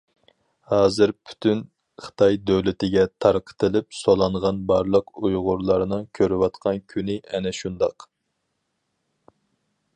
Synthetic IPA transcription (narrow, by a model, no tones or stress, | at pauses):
hɑːzɨɾpʰy̥t̪ʰyn | χə̥t̪ʰɑjd̪øwlɪt̪ɪɡʲɛt̪ʰɑɾqʰə̥t̪ʰɨlɪp̚solˠɑɴʁɑnbɑɾlˠəqujʁʊɾlˠɑɾɨnɨŋkʲʰøɾɪwɑt̪qʰɑnkʲʰynɪʔɛnɛʃund̪ɑq